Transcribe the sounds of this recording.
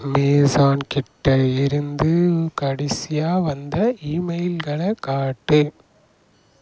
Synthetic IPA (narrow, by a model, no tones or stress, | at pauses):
meːsaːnkɪʈːɐɪɾɯnd̪ɯkɐɽɪsɪjaːʋɐnd̪ɐiːmɐɪlɣɐɭɐkaːʈːɯ